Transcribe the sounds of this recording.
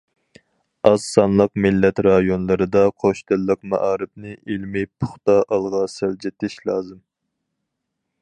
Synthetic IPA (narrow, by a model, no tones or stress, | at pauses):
ɑzsɑnlˠəq̚mɪlːɛt̪ɾɑjonlˠɨɾɨd̪ɑqʰoʃd̪ɪlːəq̚mɑ̰ʔɑːɾɨp̚nɨʔilmɪpʰʊχt̪ɑʔɑlˠʁɑsæld͡ʒet̪ʰɪʃlˠɑːzɨm